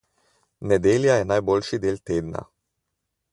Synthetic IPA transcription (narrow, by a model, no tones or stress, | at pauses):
nɛd̪eːljajɛnajboːlʃid̪eːlt̪eːd̪na̰